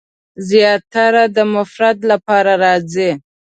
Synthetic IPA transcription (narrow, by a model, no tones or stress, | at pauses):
zjɑt̪aɾad̪əmʊfɾad̪lapɑɾaɾɑze